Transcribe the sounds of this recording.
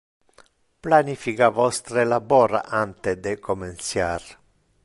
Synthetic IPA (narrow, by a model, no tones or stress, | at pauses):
planifikavɔst̪ɾelabɔɾaʔant̪ed̪ekomensjaɾ